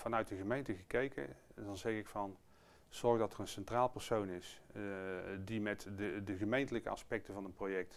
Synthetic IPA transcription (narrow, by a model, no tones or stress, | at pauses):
fɑnœɥt̚dəɣəmejntəɣəkejkə̰dɑnzɛχɪkfɑn | z̥ɔɹɣdɑtərənsɛntraːlˠpəɹsownɪs | dimɛtədəχəmejntələkəɑ̰spɛk̚təvɑnənprowjɛk̚t